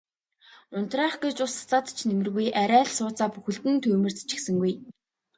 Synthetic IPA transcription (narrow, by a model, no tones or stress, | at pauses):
ʊnt̪raːχɡet͡ɕʊsḁt͡saːt̪t͡ɕʰnemɘ̆rɣujʔæɾʲæːɮsʊːt͡saːpuxɘ̆ɬt̪ɘ̆nt̪ʰuːmɘ̆rt͡sḁt͡ɕɪ̥̆xsɘ̆ŋɡuj